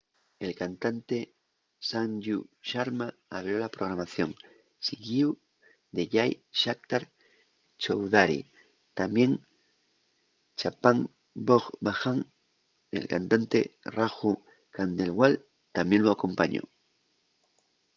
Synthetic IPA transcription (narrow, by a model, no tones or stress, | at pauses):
elkant̪ant̪e | sandjuʃaɾmaːβɾjolapɾoɣɾamaθjoŋ | siɡiu | d̪eʎajʃak̚t̪aɾ | t͡ʃowðaɾḭ | t̪amje̞ŋ | t͡ʃapaŋ | boχbaxaŋ | ḛlka̰nt̪ant̪ḛraxu | kand̪elwal | t̪amjenloako̞mpaɲo̰